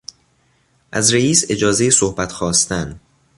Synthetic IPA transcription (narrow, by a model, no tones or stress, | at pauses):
ʔæzɾeiːse̞d͡ʒɒːzejesohbæt̪xɒːst̪ʰæn